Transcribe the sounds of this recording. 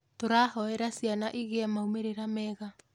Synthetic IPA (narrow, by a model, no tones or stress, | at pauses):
toɾahɔɛɾasjanaʔiɣeamaumeɾeɾamɛɣa